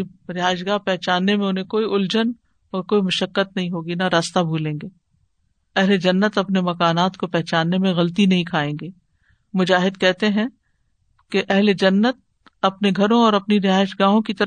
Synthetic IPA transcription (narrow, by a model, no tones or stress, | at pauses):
ɾɪɦaːɪʃ̬ɡaːɦpɛɦt͡ʃaːnːemẽʊnɦẽkoːiʔʊld͡ʒən | ɔːɾkoːimʊʃəkːət̪nɐɦĩɦoːɡinɐɾaːst̪abʱuːlẽːŋɡeː | ɛɦled͡ʒɐnːət̪ɐpnemɐkaːnaːt̪kopɛɦt͡ʃaːnːemẽɣɐlt̪̬inɐɦĩkʰaːẽːŋɡeː | mʊd͡ʒaːɦɪd̪̚kɛɦt̪eɦɛ̃ | keʔɛɦled͡ʒɐnːət̪̚ | ɐpneɡʱɐɾõɔːɾɐpniɾɪɦaːɪʃɡaːɦõkit̪ɐɾ